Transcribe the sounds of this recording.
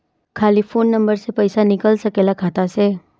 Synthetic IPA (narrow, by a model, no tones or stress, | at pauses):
kʰaːlifʰoːnːɐ̃mbəɾsepəɪsanɪkəlsɐkeːlakʰaːt̪aseː